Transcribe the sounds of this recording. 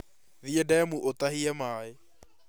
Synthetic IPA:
ðiedɛmuʔotahiɛmaːe

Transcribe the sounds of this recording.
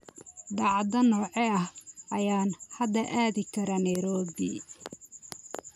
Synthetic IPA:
d̪ɑʕd̪ɐnɔːʕɛɐhʔɐjaːnhɐd̪ɐʔaːðɪkʰɐɾɐnɐjɾɔːbi

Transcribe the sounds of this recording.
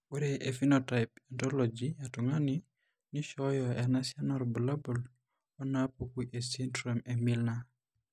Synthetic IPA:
uɾeʔefinotajpɛntɔlɔd͡ʒiatuŋani | niʃɔjɔɛnasjanɔɾbulabol | ɔnapokuʔesintɾɔmemilna

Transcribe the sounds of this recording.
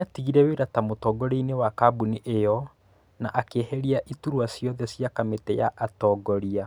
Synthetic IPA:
atiɣiɾɛweɾatamotɔɡɔɾeinewakabuniʔejɔ | naʔakeɛhɛɾiaʔituɾwasjɔðɛsjakametɛja̰ʔatɔːɡɔɾia

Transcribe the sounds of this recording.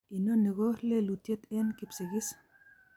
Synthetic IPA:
inoneɣoɾlelut̪jet̪enkipseɣis

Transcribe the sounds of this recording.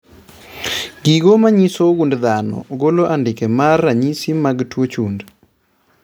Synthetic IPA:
ɡiɡomaɲisoɡundd̪anɔ̰ɡoloʔandɪkemarːaɲisimaɡtwot͡ʃund

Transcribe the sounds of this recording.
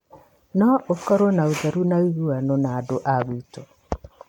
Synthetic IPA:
nɔokɔɾonaoðaɾunaiɣuanonaːdoʔaɣwito

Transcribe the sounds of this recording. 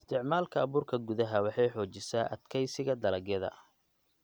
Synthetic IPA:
ɪst̪ʰɪʕmaːlkʰɐːβuːrkʰɐɡʊðɐɦɐwɑħɑjħɔːt͡ʃɪsaːʔɐ̰d̪kʰɛjsɪɣɐd̪ɐlɐɣjɐðɐ̰

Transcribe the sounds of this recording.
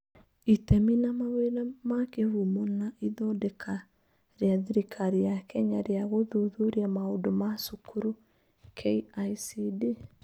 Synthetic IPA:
itɛminamaweɾamakevumonaʔiðɔdɛkʰa | ɾeaðiɾikʰaɾijakɛɲaɾeaɣoðuðuɾiamaodomasukuɾu | kʰeiaisidi

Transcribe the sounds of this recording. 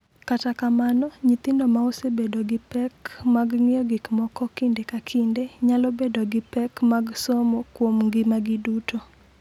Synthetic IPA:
katakamanɔɲit̪ɪndomaosebedoɡɪpɛkmaɡŋɪɔɡikmɔkɔkɪndekakʰɪndeɲalɔbedoɡɪpɛkmaɡsomokwomŋɡɪmaɡɪdutʰo

